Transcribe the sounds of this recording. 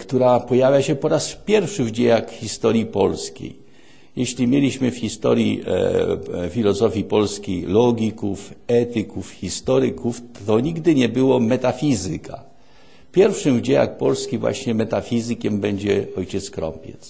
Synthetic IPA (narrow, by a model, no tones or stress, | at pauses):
kt̪uɾapɔjavʲjaɕɛpɔɾaspʲjɛɾfʂɘvd͡ʑejakxʲist̪ɔɾjipɔlskʲḛj | jɛɕlʲimʲjelʲiɕmɘfxʲist̪ɔɾʲjḭ | fʲilɔzɔfʲjipɔlskʲejlɔɡʲikufɛt̪ɘkufxʲist̪ɔɾɘkufɔɲiɡd̪ɘɲɛbɘwɔmɛt̪afʲizɘ̰kʰa̰ | pʲjɛɾfʂɘmvd͡ʑeja̰k̚pɔlskʲivwa̰ɕɲɛmɛt̪afʲizɘkʲɛmbɛɲd͡ʑɛɔjt͡ɕɛt̪skɾɔ̰mpʲjɛ̰t̪s